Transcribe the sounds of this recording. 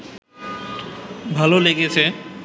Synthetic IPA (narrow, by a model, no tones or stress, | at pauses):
bʱaloleɡet͡ɕʰe